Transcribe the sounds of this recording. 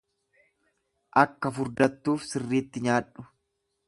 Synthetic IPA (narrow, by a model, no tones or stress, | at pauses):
ʔɐkːɐfʊɾd̪ɐt̪ːuːfsɪrːiːt̪ːɪɲaːᶑʊ̥